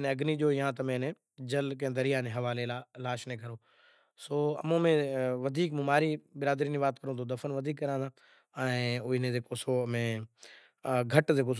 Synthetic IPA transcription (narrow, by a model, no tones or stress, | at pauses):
neɐɡniʄoːɪːãːt̪ɐmẽnẽ | d͡ʑəlk̬ẽːd̪əɾijaːnẽɦɐʋaːlelalaːʃnẽːkʰəɾoː | soːɐ̰mõːmẽʋɐd̪ʱiːkmũmaːɾibɪɾaːd̪ɾiːnĩʋaːt̪kəɾõːt̪ʰod̪ɐfənʋɐd̪ʱiːkːɐɾãːd̪ãː | ɛ̃ːʊnẽzeːkosomẽː | ɡʱɐʈzeːkoːs